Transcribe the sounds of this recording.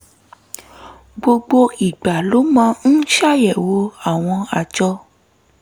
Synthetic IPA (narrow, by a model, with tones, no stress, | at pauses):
ɡ͡bo˧ɡ͡bo˧i˨ɡ͡ba˨lo˨˦mã˨˦n̩˦ʃa˦˨jɛ˨wo˨˦a˦˨w̃ɔ̃˧a˨d͡ʒɔ˧